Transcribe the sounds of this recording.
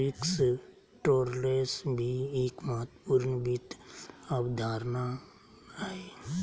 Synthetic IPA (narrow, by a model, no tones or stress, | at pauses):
ɪks | ʈoːɾlesbʱieːkməɦət̪puːɾnbit̪abd̪ʱaːɾna | e